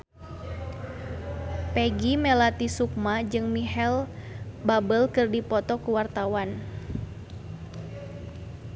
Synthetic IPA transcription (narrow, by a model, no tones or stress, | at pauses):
pɛɡimɛlat̪isuk̚mad͡ʒɨŋmiɦɛlbabəlkɨrdipɔt̪ɔkuwart̪awan